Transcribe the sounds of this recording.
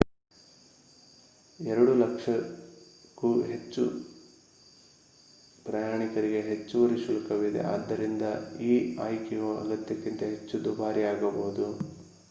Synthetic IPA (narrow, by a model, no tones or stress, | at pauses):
ɛɾɐɽulɐkʂɐ | kuɦe̞t͡ʃːu | pɾɐjaːɳikɐɾiɡe̞ɦet͡ʃːuʋɐɾiʃulɐkɐʋid̪ḛʔa̰ːd̪ːɐɾind̪ɐiːa̰ːjkɛjoɐ̰ɡɐt̪jɐkːint̪ɐɦe̞t͡ʃːud̪ubaːɾiaːɡɐbɐɦud̪u